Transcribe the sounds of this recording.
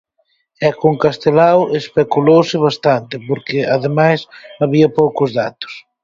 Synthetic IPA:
ɛkoŋkast̪elawespekulowsɪβ̞ast̪ant̪ɪpoɾkɪaðemajsaβiɐpowkʊzðat̪ʊ̥s

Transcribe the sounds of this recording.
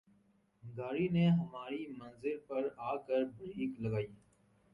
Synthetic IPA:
ɡaːɾinẽɦɐmaːɾimɐ̃nzɪɾpɐɾaːkəɾbɾiːklɐɡaːiː

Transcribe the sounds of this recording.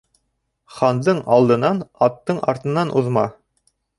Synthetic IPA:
χɑnd̪ɤɴɑlˠd̪ɤ̆nɑnɑt̪ːɤɴɑ̰ɾt̪ɤ̆nːɑnʔuðmɑ

